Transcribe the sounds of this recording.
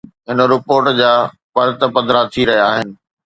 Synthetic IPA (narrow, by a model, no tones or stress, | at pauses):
ɦɪnə̆ɾɪpoːɾʈd͡ʑaː | pɐɾt̪ə̆pɐd̪ʱɾat̪ʰiɾɐɦijaːɦɪnɪ̆